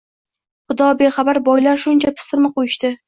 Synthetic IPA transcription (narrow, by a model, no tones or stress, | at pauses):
χʊd̪ɒbeχɑbaɾbɒjlaɾʃʊnt͡ʃʰapʰɪ̥st̪ɪɾmɪqojɪʃt̪ɪ